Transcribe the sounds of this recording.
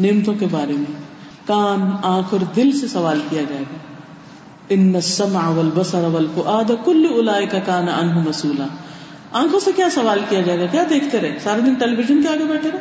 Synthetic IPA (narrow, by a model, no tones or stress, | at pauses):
neːmt̪õkebaːɾemẽ | kaːnãːkʰəɾd̪ɪlsesɐʋaːlkijad͡ʒaːeɡaː | ɪnːɐsːɐmʕaʋɐlbɐsɑɾɐʋɐlfʊʔaːd̪kʊlːʊlaːʔɪkɐkaːnɐʔa̰nɦʊmɐsuːlaː | ãːkʰõsekjaːsɐʋaːlkijad͡ʒaːeɡakjaːd̪eːkʰt̪eɾɛːsaːɾed̪ɪnʈɛliʋɪʒənkeaːɡebɛːʈʰeɾɛː